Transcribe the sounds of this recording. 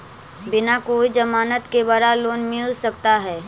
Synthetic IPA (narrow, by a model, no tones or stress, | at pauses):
bɪnakoːid͡ʒɐmaːnət̪kebəɾaloːnmɪlsɐkt̪aɦɛː